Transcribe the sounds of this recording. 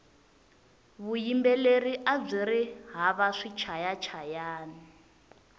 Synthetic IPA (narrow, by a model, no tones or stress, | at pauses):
βujimbɛleriʔab͡ʐiɾiɦaβaʂit͡ʃʰajat͡ʃʰajaːni